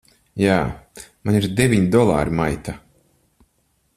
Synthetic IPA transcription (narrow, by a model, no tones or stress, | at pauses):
jaːmaɲiɾd̪evʲiɲd̪ɔlˠa̰ːɾimajt̪a